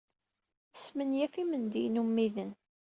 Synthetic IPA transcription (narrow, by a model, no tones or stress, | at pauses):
θə̥smənjæfimənd̪inumːiðən